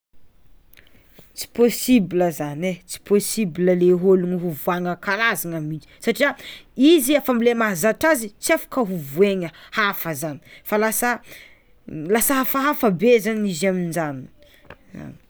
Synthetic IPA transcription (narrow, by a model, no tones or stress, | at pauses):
t͡si̥posibiləzanet͡si̥posibiləleɦoluŋiɦuvuaŋəkaɾazaŋamit͡ʃi̥saʈ͡ʂiaiziafamilemaɦzaʈ͡ʂazit͡siafḁkəɦuvueŋəhafəzani̥falasə | lasəɦafaɦafabezaniziamind͡ʒani | za̰ni̥